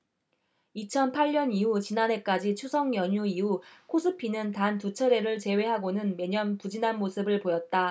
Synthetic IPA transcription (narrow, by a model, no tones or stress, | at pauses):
it͡ɕʰʌnpʰaʎɲʌniɦut͡ɕinane̞k͈ad͡ʑit͡ɕʰusʰʌŋjʌɲuiukʰosʰɯpʰinɯntantut͡ɕʰʌɾe̞ɾɯɭt͡ɕe̞we̞ɦaɡonɯnme̞ɲʌnpud͡ʑinanmosʰɯbɯɭpojʌt̚t͈a